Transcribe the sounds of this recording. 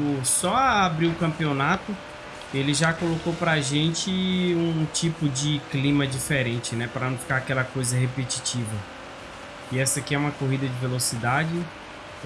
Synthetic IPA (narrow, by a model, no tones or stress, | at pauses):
ʊsɔaːbɾiwʊkɐ̃mpionat̪ʊ | elɪʒakolokopɾaʒẽnt͡ʃɪũt͡ʃipʊd͡ʒɪklĩmɐd͡ʒifeɾẽnt͡ʃɪnɛpɾɐnɐ̃w̃fi̥kaakɛlɐkojzɐɦepet͡ʃi̥t͡ʃivɐ | ɪɛsɐkiɛũmɐkoɦid̪ɐd͡ʒɪvelosid̪ad͡ʒɪ